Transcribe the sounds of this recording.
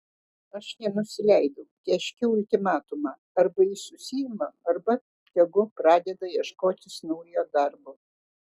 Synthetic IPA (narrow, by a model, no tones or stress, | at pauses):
ɐʃnʲɛnʊsʲɪlʲɛɪd̪ɐʊk̪ʲɛʃʲkʲɛʊʊlʲt̪ʲɪmɑːt̪ʊmɑː | ɐɾbɐiːsʊsʲɪjɪmɐɐɾbɐ | j̪ʲɛɡʊpɾɑːd̪ʲɛd̪ɐjiɛʃkoːt̪ʲɪsnɔʊjjoːd̪ɐɾbo